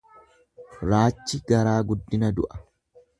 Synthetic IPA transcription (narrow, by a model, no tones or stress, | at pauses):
ɾaːt͡ʃːɪɡɐɾaːɡʊd̪ːɪnɐd̪ʊʔɐ̥